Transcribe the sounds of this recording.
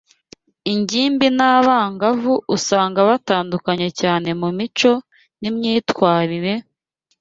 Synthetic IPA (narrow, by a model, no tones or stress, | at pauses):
iɲɟiːmbinaːβaːŋɡavuʔusaːŋɡaβataːndukaɲe̞caːne̞mumit͡ʃo̞ | nimɲiːtwaːɾiɾe̞